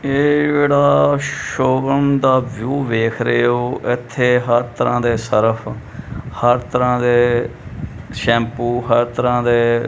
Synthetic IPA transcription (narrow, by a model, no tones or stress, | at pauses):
eːd͡ʒeːɽaːʃoːɡəɳd̪aːʋjuːʋeːkʰɾeːoːʔɪt̪ʰːeːɦəɾt̪əɾãːd̪eːsəɾəpʰ | həɾt̪əɾãːd̪eː | ʃɛ̃ːmpuːɦəɾt̪əɾãːd̪eː